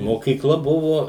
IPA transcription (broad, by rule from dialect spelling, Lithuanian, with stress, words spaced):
moːkʲiːˈklˠɐ ˈbʊʋoː